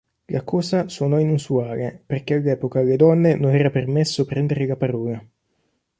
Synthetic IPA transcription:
lakɔːzasuonɔinusuaːleperkealːɛːpokaled̪ɔnːenonɛːɾapermesːopɾɛnd̪eɾelapaɾɔːla

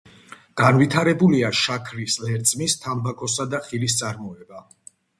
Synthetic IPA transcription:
ɡ̥anvit̪ʰaɾɛbuliaʃakʰɾislɛɾt̪sʼmist̪ʰambakʰɔsad̪aχilist̪sʼaɾmɔɛba

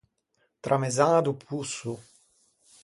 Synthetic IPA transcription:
t̪ɾʔamezaːd̪upʰusu

